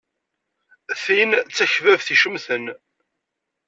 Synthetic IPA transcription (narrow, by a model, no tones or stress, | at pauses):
θint͡sːæçvævθiʃəmθən